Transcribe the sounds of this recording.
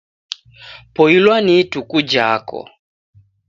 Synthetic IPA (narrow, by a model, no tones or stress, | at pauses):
pɔilwanitukud͡ʒakɔ̰